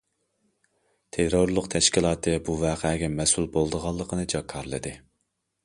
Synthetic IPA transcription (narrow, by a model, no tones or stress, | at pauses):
t̪ʰeɾoɾlˠʊqt̪ʰɛʃkʲilˠɑːt̪ʰɨbuvɑːqʰɛːɡʲɛmɛsulˠbolˠd̪əʁɑlˠːəqʰənɨd͡ʒɑkʰːɑɾlˠɨ̰d̪ɨ